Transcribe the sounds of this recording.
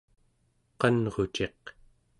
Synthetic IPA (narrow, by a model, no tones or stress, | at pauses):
qʌnʁot͡ʃe̞q